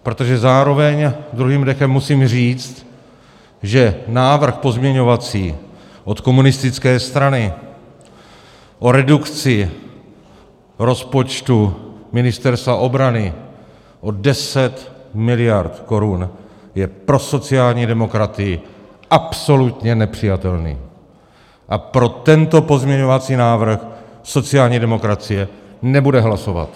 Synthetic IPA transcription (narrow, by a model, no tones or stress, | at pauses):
pɾo̞t̪o̞ʒɛzaːɾo̞vɛɲd̪ɾuɦiːmdɛxɛmːusiːmr̝iːt͡st̪ | ʒɛnaːvr̩xpo̞zmɲɛɲo̞vat͡siːʔo̞t̪ko̞munɪst̪ɪt͡skɛːst̪ɾanɪ | ʔo̞ɾɛdukt͡sɪ | ɾo̞spo̞t͡ʃt̪umɪnɪst̪ɛɾst̪vaʔo̞bɾanɪ | ʔo̞dɛsɛt̪mɪlɪjaɾt̪ko̞ɾun | jɛpɾo̞so̞t͡sɪaːlɲiːdɛmo̞kɾat̪ɪjɪ | ʔapso̞lut̪ɲɛnɛpr̝̥ɪjat̪ɛlnḭː | ʔapɾo̞t̪ɛnt̪o̞po̞zmɲɛɲo̞vat͡siːnaːvr̩xso̞t͡sɪaːlɲiːdɛmo̞kɾat͡sɪjɛnɛbudɛɦlaso̞va̰t̪